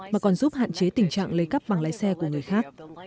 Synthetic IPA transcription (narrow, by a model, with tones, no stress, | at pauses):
maː˨˩kɔ˨˩nzu˦˥p̚ha̰ː˧˨nt͡ɕe˨˦t̪ï˨˩ŋ̟t͡ɕa̰ː˧˨ŋlə˨˦jkə˦˥p̚ɓa˨˩ŋlaː˨˦jsɛ˧ku˧˩əŋɨ˨˩əjxaː˦˥k̚